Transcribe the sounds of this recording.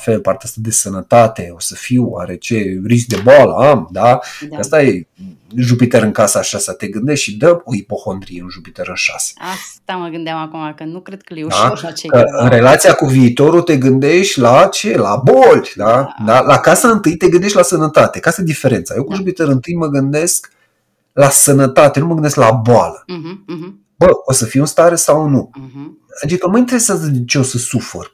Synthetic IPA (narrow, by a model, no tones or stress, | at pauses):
fe̞lpart̪east̪ad̪e̞sənət̪at̪e̞o̞səfiwwa̰ɾe̞t͡ʃe̞ris̬k̚d̪e̞boalə̰amd̪aəəst̪aje | ʒupit̪əɾɨŋkasaʃasat̪e̞ɡɨnd̪eʃt̪ʃid̪əoipo̞xo̞nd̪ɾijeunʒupit̪əɾɨnʃa̰se̥ast̪aməɡɨnd̪eamakumakənukɾed̪kəd̪akəɨnre̞lat̪sijakuviːt̪o̞ɾut̪e̞ɡɨnd̪e̞ʃt̪ʲlat͡ʃe̞la̰bolʲd̪ad̪alakasaɨnt̪ɨjt̪e̞ɡɨnd̪e̞ʃt̪ʲlasənət̪at̪e̞kasajed̪ife̞ɾe̞nt̪sa̰jekunʒupit̪əɾɨnt̪ɨjməɡɨnd̪e̞sk | lasənət̪at̪enuməɡɨnd̪esklaboalə | bəo̞səfijunst̪aɾesawnu | t͡ʃ̪ikəmajint̪eɾe̞seazəd̪et͡ʃe̞o̞səsufḛr